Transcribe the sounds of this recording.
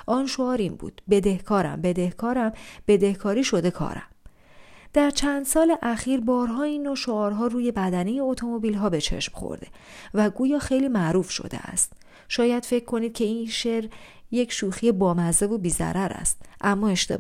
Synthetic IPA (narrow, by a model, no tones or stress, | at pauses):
ʔɒːnʃoɒːɾinbṵːd̪̥be̞d̪e̞hkʰɒːɾæ̰mbe̞d̪e̞hkʰɒːɾæmb̥e̞d̪e̞hkʰɒːɾiːʃo̞d̪e̞kʰɒ̰ːɾæ̰m | d̪̥æɾt͡ʃʰænd̪̥sɒːleʔæxiːɾbɒːɾɦɒːinːoʃoɒːɾɦɒːruːje̞bæd̪æne̞jeot̪ʰo̞mo̞bilɦɒːbe̞t͡ʃʰe̞̰ʃmχo̰ɾd̪e̞̰ | væɡuːjɒːxe̞jliːmæʔɾuːfʃo̞̰d̪ḛʔæ̰st̪̚ | ʃɒːjæd̪̥fe̞cʰːo̞niːd̪̥̚cʰe̞iːnʃeɾ | je̞cʰʃuːxiebɒːmæze̞vobiːzæ̰ɾæɾæ̰st̪ʔæmːɒːeʃt̪ḛ